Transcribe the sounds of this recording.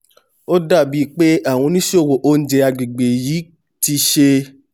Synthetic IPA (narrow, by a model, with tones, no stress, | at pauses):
o˦da˦˨bi˨˦k͡pe˦a˦˨w̃ɔ̃˧˦nĩ˦ʃo˦˨wo˨ʔo˦n̩˦d͡ʒe˧a˧˨ɡ͡bi˨ɡ͡be˨jiː˨˦ | ti˧˦ʃe˧